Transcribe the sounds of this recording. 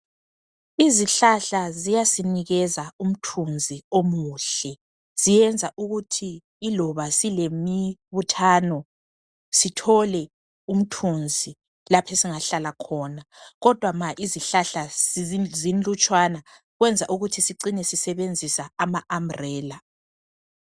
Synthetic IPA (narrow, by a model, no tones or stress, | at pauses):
iziɬaɬazijasiniɣɛzaum̩tʰund͡zʱiomuːɬɛ | z̥ijɛnd͡zʱaʔuɣutʰiː | lɔβasilemiβutʰaːnɔ | sitʰɔlɛ | um̩tʰund͡zʱi | lapʰesiŋaɬalakʰɔːnaɣɔd̥ʱwamaʔiziɬaɬa | zind͡ɮut͡ʃʼwana | ɣwɛnd͡zʱaʔuɣutʰisiǀinɛsisɛβend͡zʱisaːmaʔam̩rɛːla